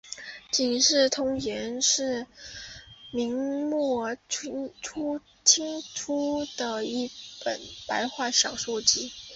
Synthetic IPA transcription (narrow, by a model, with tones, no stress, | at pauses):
t͡ɕi˨˩nʂɻ̩˥˩t̪ʰʊ˥ŋjɛ˧˥nʂɻ̩˥˩ | mi˧˥ŋmwɔ˥˩˥ | ʈ͡ʂʰu˥ | t͡ɕʰi˥ŋʈ͡ʂʰu˥d̪ə˨i˥˩pə̰˨˩npa˧˥ɪxwa˥˩ɕjɑ˨˩ʊʂwɔ˥˩t͡ɕi˥